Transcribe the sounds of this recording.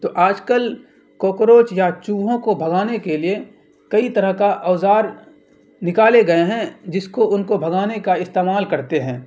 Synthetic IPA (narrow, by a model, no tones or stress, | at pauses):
t̪oːʔaːd͡ʒkəl | koːkɾoːt͡ʃjat͡ʃuːʋɦõkobʱɐɡaːnekelie | kɐit̪ɐɾəɦkaʔɔːzaːɾ | nɪkaːleɡɐeɦɛ̃d͡ʒɪskoʔʊnkobʱɐɡaːnekaɪst̪eːmaːlkɐɾt̪eɦɛ̃ː